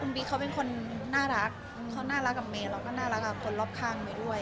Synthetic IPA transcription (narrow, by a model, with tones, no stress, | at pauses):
ku˧mbiː˧˩kʰa˦wpe˧˨nkʰo˧nːaː˥˩ɾa˦˥k̚ | kʰa˦˥wnaː˥˩ɾa˦˥kːa˨˩meː˧˩ɾa˧˩wkɔː˥˩naː˥˩ɾa˦˥k̚a˧˩kʰo˧nlɔː˦˩p̚kʰaː˧˩ŋmaː˧˩jdu˥˩əj